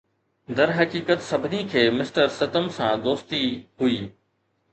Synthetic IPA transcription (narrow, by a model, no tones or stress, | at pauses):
d̪ɐɾɦɐkiːkət̪sɐbʱɪnikʰeːmɪsʈəɾsɐt̪əmsãd̪oːst̪iɦʊiː